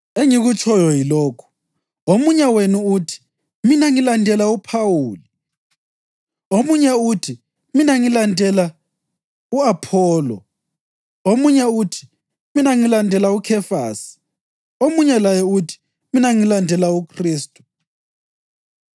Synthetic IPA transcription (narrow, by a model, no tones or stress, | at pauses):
eŋiɣut͡ʃʰʼɔjɔjilɔːkʰu̥ | omuɲɛwenuutʰi̥ | minaŋilandʱɛlaupʰawuːli | omuɲɛutʰi | minaŋilandʱɛla | uapʰɔːlɔ̰ | omuɲɛutʰi̥ | minaŋilandʱɛlaukʰɛfa̰ːsi̥ | omuɲɛlajɛutʰi̥ | minaŋilandʱɛlaukʰriːstʼu̥